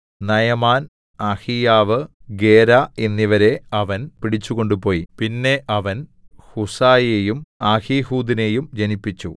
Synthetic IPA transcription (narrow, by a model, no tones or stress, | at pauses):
nɐjɐmaːn | aːhijaːʋɨ | ɡe̞ːɾaenːiʋɐɾe̞ɐʋɐnpiɽit͡ɕːuɣo̞ɳɖupo̞ːjipinːe̞ʔɐʋɐnhusaːjejumaːhihuːd̪ine̞jumd͡ʑɐnipːit͡ɕːṵ